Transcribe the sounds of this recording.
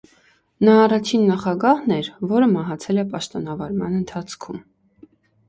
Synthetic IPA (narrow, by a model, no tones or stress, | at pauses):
nɑːrɑt͡ʃʰinːɑχɑɡɑhnɛɾvɔɾəmɑɦɑt͡sʰɛlɛpɑʃt̪ɔn̪ɑvɑɾmɑ̰nənt̪ʰɑt͡sʰkʰum